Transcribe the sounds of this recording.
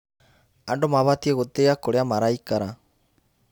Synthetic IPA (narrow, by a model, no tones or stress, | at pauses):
aɳɖɔmaβat̪ieɣɔt̪ejakɔɽɛamaɾajkaɾa